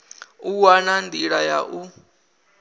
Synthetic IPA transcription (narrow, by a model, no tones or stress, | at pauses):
uwanandiɺaja̰ʔu